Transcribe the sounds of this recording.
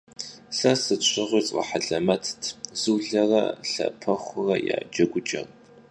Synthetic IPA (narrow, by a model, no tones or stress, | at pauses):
ɬɐsɨɕʷʰʼɪʁʷiːt͡sʼɐ̰ħaɮɐmɐtʰtʰzɨːɮɐrɐ̰ɬɐ̰pʰɐχʷʊrɐja̰ːd͡ʒɐɡʷʊt͡ʃʼɐ̰r